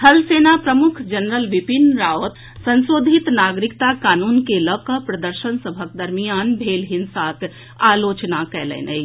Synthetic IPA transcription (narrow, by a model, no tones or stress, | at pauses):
həlsenapɾəmukʰd͡ʒənɾəlʋipinɾaot̪ | sənsoːd̪ʱit̪naɡɾikt̪akaːnunkeləkəpɾəd̪əɾʃənsəbʱəkd̪əɾmijanbʱelɦinsak | alot͡ʃnakɛlɛ̰nʔə̰ɪ